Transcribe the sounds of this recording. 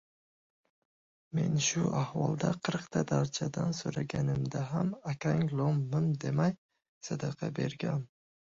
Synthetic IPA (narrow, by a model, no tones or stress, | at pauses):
me̞nʃʊʔahwɒlˠd̪aqʰɨɾqt̪ʰad̪aɾt͡ʃʰad̪ansoɾaɡʲanɪmd̪aɦamakʲaŋlˠomːɪnd̪e̞maj | sad̪ɑqʰɑbe̞ɾɡʲan